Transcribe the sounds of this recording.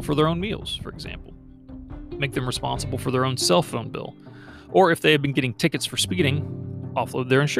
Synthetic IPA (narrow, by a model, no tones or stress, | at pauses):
l̩ˠfə˞ðə˞õʊ̃nmḭlˠz̥fə̰˞ɨɡzæ̰̃mpl̩ˠ | meɪk̚ðɨ̃mɹɨspɑ̰̃nsəbl̩ˠfə˞ðə˞õʊ̃nsɛlˠfõʊ̃nbɪ̰lˠ | ʔə˞ɨfðeɪɨvbɨ̃nɡɛɾɪ̃ŋtʰɪkɨtsfə˞spiɾɪ̃ŋɔfloʊd̪̚ðə˞ɨ̃nʃ